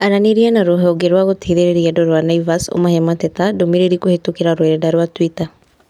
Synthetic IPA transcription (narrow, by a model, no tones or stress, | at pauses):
aɾaneɾianaɾoɦɛɔɡeɾwaɣotʰeːðeɾeɾiadɔɾwanaivaso̰mahɛmatɛtadomiɾeɾikohetokeɾaɾweɾɛdaɾwatwita